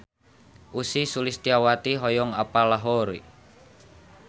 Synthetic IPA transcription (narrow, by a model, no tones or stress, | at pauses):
ʔusisulist̪iawat̪iɦɔjɔŋapalaɦɔɾi